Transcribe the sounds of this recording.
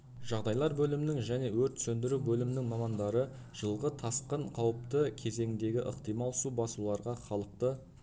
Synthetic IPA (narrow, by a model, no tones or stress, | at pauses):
ʒ̥ɑʁd̪ɑjlˠɑɾbɵlɪmɪnɪŋʒæne̞wɵɾt̪sɵnd̪ɪɾubɵlɪmɪnɪŋmɑmɑnd̪ɑɾə | ʒ̥əlˠʁət̪ʰɑsqəɴqʰɑwəp̚t̪əkʲʰe̞ze̞ŋɪnd̪e̞ɡʲɪʔəqt̪ijmɑlˠsubɑsulˠɑɾʁɑχɑlˠəq̚t̪ə